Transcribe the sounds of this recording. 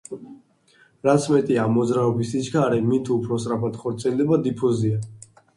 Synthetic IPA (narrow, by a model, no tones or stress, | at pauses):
ɾat̪sʰmɛt̪ʼiaːmːɔd̪zɾaɔbisisɡaɾɛmit̪ʰuːpʰɾɔsʼɾapʰad̪χɔɾt̪sʼiɛld̪ɛbad̪ipʰɔzia